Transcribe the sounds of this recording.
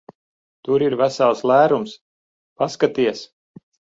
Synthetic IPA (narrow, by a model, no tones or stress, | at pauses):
t̪uɾiɾvæsalˠslæːɾums | paskat̪iɛs